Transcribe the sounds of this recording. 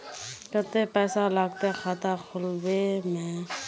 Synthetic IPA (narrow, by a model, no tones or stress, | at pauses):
kət̪epɛːsalaɡt̪exʰat̪akʰʊlbemẽ